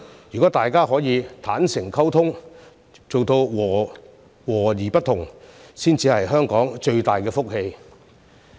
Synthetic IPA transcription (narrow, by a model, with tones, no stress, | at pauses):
jy˨˩kɔ˨˥t̪aː˨jkaː˥ɦɔː˨˥jiː˨˧t̪ʰaː˨˥nsɪ˨˩ŋkʰɐ˥wt̪ʰʊ˥ŋ | t͡so˨wt̪o˧wwɔː˨˩ | wɔː˨˩jiː˨˩pɐ˥t̪̚ʰʊ˨˩ŋsiː˥nt͡siː˧hɐ˨jɦœː˥ŋkɔː˨˥ŋt͡ʃɵ˧ɥt̪aː˨jkɛː˧fʊ˥k̚he˧j